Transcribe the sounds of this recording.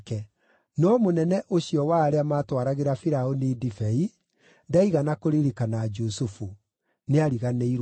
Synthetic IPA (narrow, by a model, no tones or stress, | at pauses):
kɛ | nɔmonɛnɛʔoɕiɔwaːɾeamaːtwaɾaɣeɾafiɾaonidifɛi | daiɣanakoɾeɾikanad͡ʒusufu | neaɾiɣaneiɾ